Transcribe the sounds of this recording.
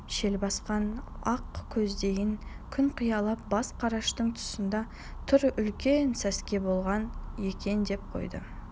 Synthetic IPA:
ʃe̞lbɑsqɑnɑqkʲʰɵzd̪e̞jɪŋ | kʲʰʏɴqʰijɑlˠɑp̚bɑsqʰɑɾɑʃt̪əɴt̪ʰʊ̥sənd̪ɑ | t̪ʰʏɾʏlkʲe̞nsæskʲe̞bo̞lˠʁɑnje̞kʲe̞nd̪e̞p̚qʰo̞̰jd̪ə̰

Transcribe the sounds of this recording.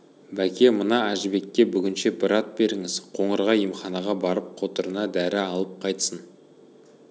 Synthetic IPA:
bækʲʰe̞mənɑæʒɪbe̞kʲːe̞bʏɡʲɪnʃe̞bɪɾɑt̪̚be̞ɾɪŋɪzqʰo̞ɴəɾʁɑjəmχɑnɑʁɑbɑɾəp̚qʰo̞t̪əɾənɑd̪æɾɪɑlˠəp̚qʰɑjt̪ə̥sən

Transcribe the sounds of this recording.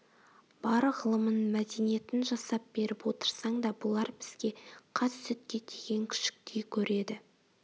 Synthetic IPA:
b̥ɑɾəʁəlˠəmənmæd̪e̞nije̞t̪ɪnʒɑsɑp̚b̥e̞ɾɪpwo̞t̪əɾsɑɴd̪ɑbʊlˠɑɾbɪz̥ɡʲe̞qʰɑssʏt̪̚kʲe̞t̪ʰeɡʲe̞ŋkʲʰʏ̥ʃɪ̥k̚t̪ʰejkʲʰɵɾe̞d̪ɪ

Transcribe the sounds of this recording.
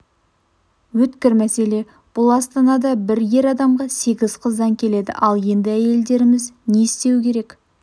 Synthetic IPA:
wɵt̪kʲɪɾmæse̞le̞ | b̥ʊlˠɑst̪ɑnɑd̪ɑbɪɾje̞ɾɑd̪ɑmʁɑse̞ɡʲɪzqʰəzd̪ɑŋkʲʰe̞le̞d̪ɪ̰ʔɑlˠje̞nd̪ɪæje̞ld̪e̞ɾɪmɪzneɪst̪e̞wɪkʲʰe̞ɾe̞k

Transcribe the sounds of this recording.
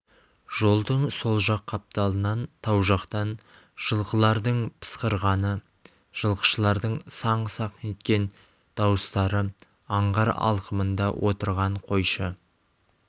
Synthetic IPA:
ʒ̥o̞lˠd̪əɴso̞lˠʒɑqʰːɑp̚t̪ɑlˠənɑnt̪ʰɑwʒɑqt̪ɑn | ʒ̥əlˠqəlˠɑɾd̪əɴpʰə̥sqəɾʁɑnə | ʒ̥əlˠqə̥ʃəlˠɑɾd̪əɴsɑɴsɑqəne̞t̪̚kʲe̞n | d̪̥ɑwəst̪ɑɾə | ɑɴʁɑɾɑ̰lˠqəmənd̪ɑwʔo̞t̪əɾʁɑɴqʰo̞jʃə

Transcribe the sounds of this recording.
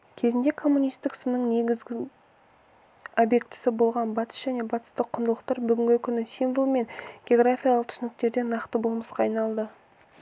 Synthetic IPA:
kʲʰe̞zɪnd̪e̞kʰo̞mːunijst̪ɪksənəɴne̞ɡʲɪzɡʲɪ | obje̞k̚t̪ɪ̥sɪbo̞lˠʁɑnbɑt̪ə̥sʒ̥æne̞bɑt̪ə̥st̪əqʰːʊnd̪əlˠəq̚t̪ɑɾbʏɡʲɪŋɡʲɪkʲʰʏnɪsimvolˠme̞nɡʲeo̞ɡɾafʲijalˠəq̚t̪ʰʏ̥sɪnɪk̚t̪e̞ɾd̪e̞nɑqt̪əbolˠməsqɑːjnɑlˠd̪ə

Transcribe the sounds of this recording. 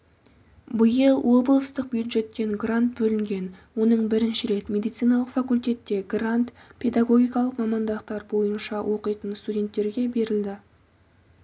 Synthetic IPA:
bəjəlˠwo̞blˠəst̪əq̚bjud̪ʒe̞t̪ːe̞ŋɡrant̪̚bɵlɪŋɡʲe̞nwo̞nəɴbɪɾɪnʃɪɾe̞t̪mʲe̞d̪ijt̪sijnɑlˠəqfakulʲt̪ʲe̞t̪ːe̞ɡrant̪pʰe̞d̪aɡo̞ɡʲijkɑlˠəqmɑmɑnd̪ɑqt̪ɑɾbo̞jənʃɑwʔo̞qəjt̪ənst̪udʲe̞nt̪ːe̞ɾɡʲe̞be̞ɾɪld̪ɪ

